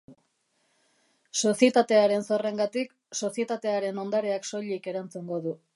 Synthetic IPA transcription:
so̞sie̞t̪at̪e̞aɾe̞nso̞re̞ŋɡat̪ik | so̞sie̞t̪at̪e̞aɾe̞no̞nd̪aɾe̞akso̞ʎike̞ɾant͡suŋɡo̞ðu

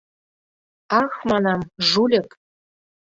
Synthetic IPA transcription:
ɑxmɑnɑmʒulʲɘ̆k

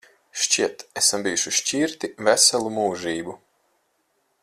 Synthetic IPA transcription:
ʃt͡ʃiɛt̪ɛsambijuʃuʃt͡ʃiɾt̪ivæsɛlˠumuːʒiːbu

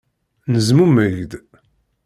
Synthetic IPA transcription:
nəzmuməʝd̪

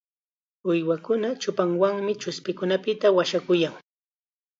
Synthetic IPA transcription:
ʊjwakʊnat͡ʃʊpaŋwaŋmɪt͡ʃʊspɪkʊnapɪt̪awaʃakʊjaŋ

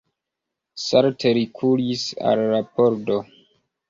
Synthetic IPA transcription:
saɾtʰeɾikʰulisa̰lɾapoɾdo

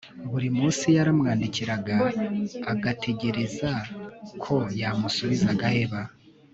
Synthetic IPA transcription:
βuɾimuːnsijaɾamŋaːndiciɾaɡaː | ɡatʰe̞ɟe̞ɾe̞zakʰo̞jamusuβizaɡahe̞βa

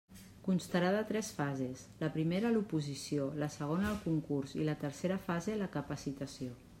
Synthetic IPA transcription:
kunst̪əɾaðət̪ɾɛsfazesləpɾimeɾəlupuzisioləsəɣ̞onəːlˠkuŋkuɾzilət̪əɾseɾəfazeləkəpəsit̪əsio

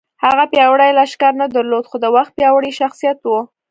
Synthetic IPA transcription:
haɣapjɑwɽajlaʃkɑɾnad̪əɾlod̪xod̪əwaxt̪̚pjɑwəɽiʃaxsijat̪wu

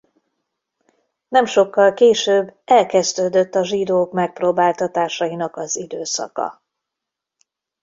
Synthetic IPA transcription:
nɛmʃo̞kːɒlkeːʃøːbːɛlkɛzd̪øːd̪øt̪ːɒʒid̪oːkmɛk̚proːbaːlt̪ɒt̪aːʃɒjinɒkɒzid̪øːsɒ̰kɒ̰

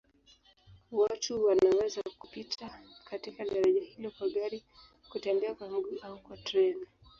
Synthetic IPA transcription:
watuwanawɛzaku̥pitʰakatikaɗaɾaʄahilɔkwaɠaɾi | kutɛnbɛakwaŋɡuaukwatɾɛn

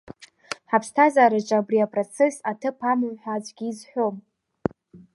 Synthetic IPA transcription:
ħapʰstʰazaːɾat͡ʃʼaːbriapʼrot͡sʰesatʰɨpʰamɨmħʷᶣazʷʼɡʲiːzħʷᶣo̞m

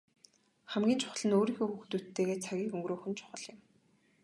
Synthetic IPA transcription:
χæmɡʲiːnt͡ɕʰʊ̥χə̆ɮə̆noːɾiːxoːxuxt̪ut̪ʰːeːɣeːt͡sʰaɣʲiːkɵŋɡɾoːxɵ̆nt͡ɕʰʊ̥χə̆ɮɪ̆m

